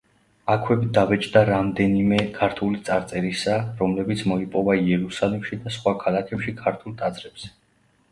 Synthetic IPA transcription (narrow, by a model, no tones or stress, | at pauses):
akʰwɛbd̪avɛt͡ʃʰʼd̪aɾamd̪ɛnimɛkʰaɾt̪ʰulit̪sʼaɾt̪sʼɛɾisaɾɔmlɛbit̪sʰmɔipʼɔvaiɛɾusalɛmʃid̪asχwakʰalakʰɛpʃikʰaɾt̪ʰulˠt̪ʼad̪zɾɛb̥z̥ɛ̥